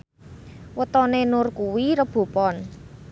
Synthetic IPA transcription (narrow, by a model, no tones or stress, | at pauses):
wət̪ɔnenʊrkuwiɾəb̥o̤pɔn